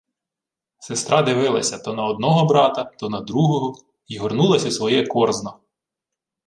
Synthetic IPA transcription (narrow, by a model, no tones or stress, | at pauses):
sest̪ɾɑd̪ɪʋɪlˠɐsʲɐt̪ɔnɐɔd̪nɔɦɔbɾɑt̪ɐt̪ɔnɐd̪ɾuɦɔɦɔ | iɦɔrnulˠɐsʲɐsʋɔjɛkɔrznɔ